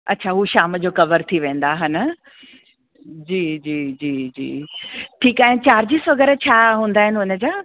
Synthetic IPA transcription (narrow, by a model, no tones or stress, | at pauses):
ʔɐtːɕʰaɦuʃaːməd͡ʑoːkɐʋəɾt̪ʰiʋẽːn̆d̪aːɦɐnə | d͡ʑiːd͡ʑiːd͡ʑiːd͡ʑḭːʈʰiːkaːɦɪnɪt͡ɕaːɾd͡ʑiːsʋɐɡəɾt͡ɕʰaːɦũːn̆d̪aːɦɪnɪ̆ɦʊnə̆d͡ʑaː